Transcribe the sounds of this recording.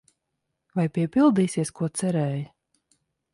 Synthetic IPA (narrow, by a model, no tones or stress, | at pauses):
vajpʲiɛpilˠd̪iːsiɛskuɔt̪sɛɾɛːj